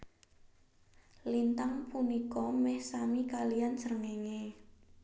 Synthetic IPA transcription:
lint̪aŋpunikɔmɛhsamikalijansəɾəŋeŋe

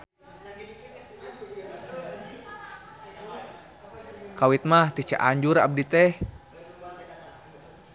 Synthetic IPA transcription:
kawit̪̚maht̪it͡ʃa̰ʔaɲd͡ʒuɾa̰b̚dit̪ɛh

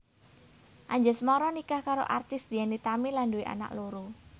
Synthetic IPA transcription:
ʔaɲd͡ʒəsmɔɾɔnikahkaɾo̰ʔart̪ɪsd̪̥ianit̪amilanduiʔa̰na̰kloɾu

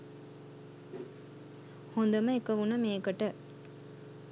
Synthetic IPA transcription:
hond̪ɐmɐekɐʋunɐmeːkɐʈə

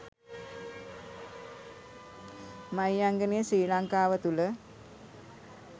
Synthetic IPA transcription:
majaŋɡənejəsiːlaŋkaːʋət̪ulə

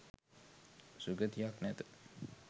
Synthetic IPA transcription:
suɡət̪ijaknɛt̪ə̥

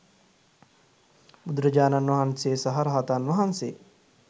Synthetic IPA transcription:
bud̪ɾɐd͡ʒaːnanʋɐɦɐnseːsɐɦaɾɐɦat̪anʋɐɦɐnseː

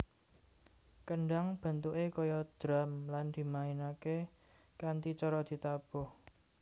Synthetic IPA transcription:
kəɳɖaŋb̥a̤nt̪uʔekɔjɔd̪̥ɾa̤mland̪̥i̤mainake | kant̪it͡ʃɔɾɔd̪̥i̤t̪ab̥ʊh

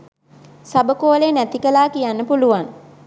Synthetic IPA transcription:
sabəkoːlenæt̪ikəlaːkijanːəpuluʋan

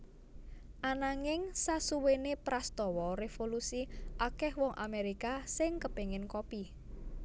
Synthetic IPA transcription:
ʔanaŋɪŋsasuwenepɾast̪ɔwɔɾefolusiʔakɛhwɔŋʔa̰meɾikasɪŋkəpeŋɪnkopi

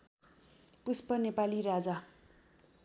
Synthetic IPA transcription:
puspʌnepaliɾad͡za

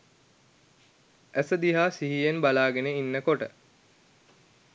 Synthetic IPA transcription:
æsəd̪iɦaːsiɦijenbalaːɡeneinːəkoʈə̰

